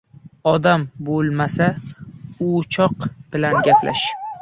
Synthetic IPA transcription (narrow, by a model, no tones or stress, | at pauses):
ɒd̪ambolˠmasa | ʊt͡ʃʰɒqb̥ɪlanɡʲapʰla̰ʃ